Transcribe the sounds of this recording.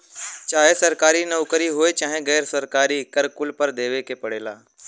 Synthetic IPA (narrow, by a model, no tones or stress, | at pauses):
t͡ʃaːɦesɐɾkaːɾinɐʊkəɾiɦoːet͡ʃaːɦẽɡɛːɾsɐɾkaːɾikɐɾkʊlpəɾd̪eːʋekepɐɽeːlaː